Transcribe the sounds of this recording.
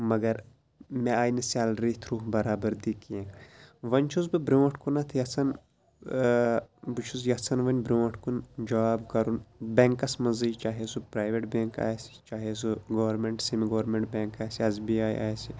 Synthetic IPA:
mɐɡɐɾ | meaːjnisʲalɾit̪ʰɾuːɦbɐɾaːbɐɾd̪ikiẽʋɐnʲt͡ʃʰuzbɨbɾʲõːʈʰkunɐt̪ʰjɐsɐn | bɨt͡ʃʰuzjɐsɐnʋɐnʲbɾʲoːʈʰkund͡ʒɐʋaːbkɐɾunbʲẽːŋkɐsmɐziːt͡ʃaːɦesupɾaːjʋeʈbẽːŋka̰ːjsi̥t͡ʃaːɦes̬uɡɐʋɐɾmeɳʈsimiɡɐʋɾmeɳʈbʲeːŋkaːjsiɐzbiaːj̰ʔa̰ːjsi

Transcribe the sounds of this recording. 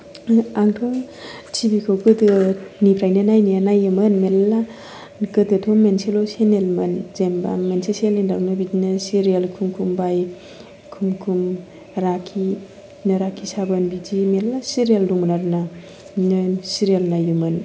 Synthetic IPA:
aŋtʰɔ | tʰibikʰowɡɯdɯnipʰɾajnanajnijanajɯmɯnmela | kɯdɯtʰɔmenselosenelmanzemba̰mensesielindawnɯbidinasiɾielkʰumkʰumbaj | kʰumkʰum | ɾakʰi | naɾakʰisabanbid͡ʒimelːasiɾijelduŋmnaɾna | nsiɾijalnajɯmɯn

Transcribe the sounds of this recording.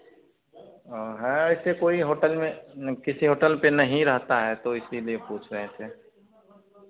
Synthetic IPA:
ɦɛ̃ɪsekoːiɦoːʈəlmẽkɪsiɦoːʈəlpenɐɦĩɾɐɦt̪aɦɛt̪oɪsiliepuːt͡ʃʰɾɐɦẽt̪ʰeː

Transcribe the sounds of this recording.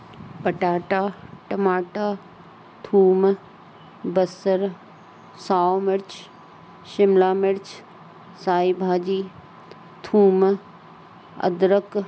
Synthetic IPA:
pəʈaːʈaːʈɐmaːʈaː | t̪ʰuːm | bəsəɾ | saːomɪɾt͡ʃ | ʃɪmlaːmɪɾt͡ʃʰ | saːibʱaːd͡ʑiː | t̪ʰuːm | ə̰d̪ɾək

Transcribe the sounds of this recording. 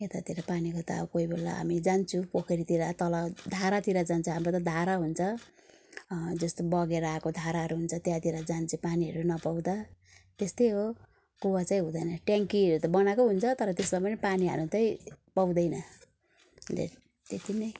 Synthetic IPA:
et̪at̪iɾapanikot̪a̰koibʱelːa̰ɦa̰mid͡zant͡sʰũpokʰeɾit̪iɾat̪ʌlʌd̪ʱaɾat̪iɾad͡zant͡sʰuɦamɾot̪ʌd̪ʱaɾaɦunt͡sʰʌ | d͡zʌst̪obʌɡeɾʌakod̪ʱaɾaɦʌɾuɦunt͡sʰʌt̪jat̪iɾad͡zant͡sʰũpaniɦʌɾunʌpawd̪a | t̪est̪ʌjɦo | ɡowat͡saĩɦũd̪ʌjnʌʈjaŋkiɦʌɾut̪ʌbʌnakoɦunt͡sʰʌt̪ʌɾʌt̪esmapʌnipaniɦʌ̰ɾut̪ʌĩpʌwd̪ʌjnʌ | d̪ḛ | t̪et̪inʌ

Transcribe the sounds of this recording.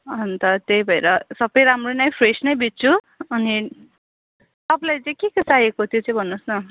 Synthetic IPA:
ʌnt̪ʌt̪eibʱʌeɾʌsʌbʌjɾamronaj̃pʰresnʌjbit̪̚t͡sʰu | ʌni | t̪ʌplajt͡sʌ̃j̃kekʌsajekot̪ʰjot͡saĩbʱʌnːusnʌ

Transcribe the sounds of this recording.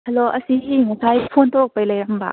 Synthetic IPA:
hɐloʔɐsiɦiŋasʰajpʰont̪ʰok̚pajlajɾɐmba̰

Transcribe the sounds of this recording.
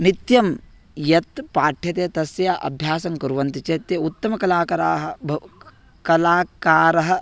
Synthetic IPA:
mit̪jɐm | jɐt̪paːʈʰjɐt̪eːt̪ɐsjaʔɐ̰bʱjaːsɐŋkɐɾuʋɐnt̪it͡ʃeːt̪jɐut̪ːɐmɐkɐlaːkɐɾaːɦɐ̆bʱɐ | kɐlaːkaːɾɐɦɐ̆

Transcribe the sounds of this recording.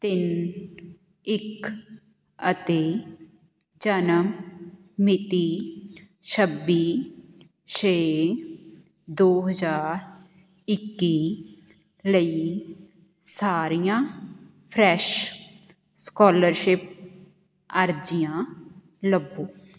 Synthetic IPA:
t̪ɪn | ɪk | ət̪eː | d͡ʒənəmː | ɪt̪iː | ʃʰəbːiː | ʃeː | d̪oːɦəd͡ʒaːɾ | ɪkːiː | ləiː | saːɾijãː | pʰɾɛːʃ | skɔːləɾʃɪp̚ | əɾd͡ʒɪjãː | ləbːõː

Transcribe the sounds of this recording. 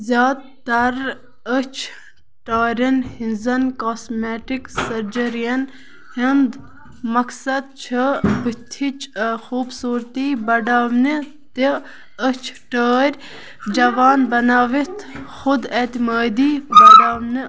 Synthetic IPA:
zʲjaːd̪ | t̪ːɐɾ | ət͡ʃʰ | ʈaːɾʲɐnhinzɐnkoːsmeːʈiksɐɾd͡ʒɐɾijɐn | hind̪ | mɐksɐd̪̚t͡ʃʰibit̪ʰːit͡ʃxuːbsuːɾt̪iːbɐɖaːʋni | t̪i | ət͡ʃʰʈəːɾʲ | d͡ʒɐʋaːnbɐnaːʋit̪ʰxʊd̪et̪imaːd̪iːbɐɖaːmnɨ

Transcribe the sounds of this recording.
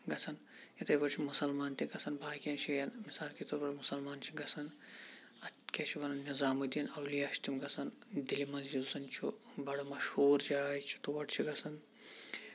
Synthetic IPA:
ɡɐt͡sʰɐn | jit̪ɐjbɐɾt͡ʃʰimusɐlmaːnt̪ʲiɡɐsʰɐnbaːkijɐnt͡ʃʰijɐnmisaːlkit̪oɾbɐɽmusɐlmaːnt͡ʃʰiɡɐsʰɐn | ɐt̪kʲet͡ʃʰiʋɐnɐnnizaːmɨd̪ijɐnɐwlijɐʃt̪imɡɐsʰɐnd̪ilimɐzd͡ʒiusɐnt͡ʃʰubɐɽɐmɐʃhuːɾd͡ʒaːjt͡ʃʰi̥t̪uʋɐʈt͡ʃʰiɡɐsʰɐn

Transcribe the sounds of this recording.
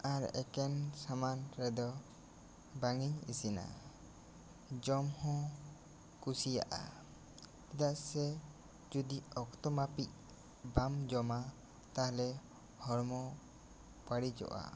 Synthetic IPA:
aɾɛkɛnsamanɾɛd̪ɔ | baŋiɲisina̰ | d͡ʒɔmhɔ̃ | kusija̰ʔa̰ | kid̪aʔsɛ | d͡ʒud̪iɔkt̪ɔmapic̚ | bamd͡ʒɔma | t̪ahlɛ | hɔɾmɔ | b̥aɽid͡ʒɔ̰ʔa̰

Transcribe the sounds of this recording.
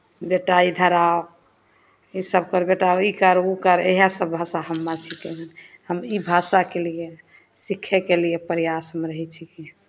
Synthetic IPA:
beʈaid̪ʱəɾao | isəbkəɾbeʈaoikəɾukəɾeɦasəbːʱasaɦəmːat͡ʃʰikɛɦn | həmibʱasakelie | sikʰːɛkeliepəɾijasmeɾəɦɛt͡ʃʰiki

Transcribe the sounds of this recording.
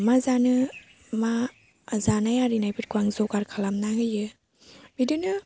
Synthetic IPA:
mazanɯ | ma | zanajaɾinajbɯt̚kuaŋzɔkaɾkʰalamnaŋɯjɯ | bidɯnɯ

